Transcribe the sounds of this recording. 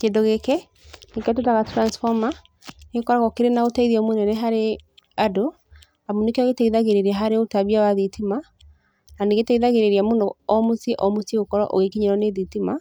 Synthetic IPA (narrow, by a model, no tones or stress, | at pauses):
kendɔɣekɛ | nekɛt̬otaɣatɾansfɔma | neɣekɔɾaɣɔkeɾenaotaiðiɔmonɛnɛɦaɾe | ado | amonekeɔɣetaiðaɣeɾeɾeaɦaɾeotaβiawaðitima | naneɣetaiðaɣeɾeɾiamondɔɔmosiʔɔmosiɣokɔɾɔ̰ʔo̰ɣekiɲeɾɔneðitima